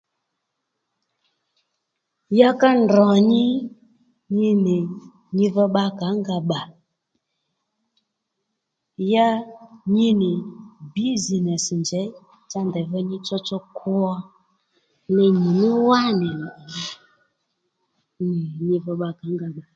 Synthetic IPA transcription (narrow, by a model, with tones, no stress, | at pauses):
ja˦ka˦ndɔ˨ɲɪ˦ | ɲi˧nɪ˨ | ɲi˧və˧ɓa˧ka˨˦ŋɡa˨ɓa˨ | ja˦ɲi˦nɪ˨bi˦zi˨nɛ˨snd͡ʒɛ˨˦ | t͡sa˦ndɛ˨və˧˦ɲi˦t͡sɔ˦t͡sɔ˧˦kʰʊ˦ɔ˧ | nɛ˧mu˨nu˦wa˦nɛ˨˦˨ | ɲi˧və˧ɓa˧ka˨˦ŋɡa˨ɓa˨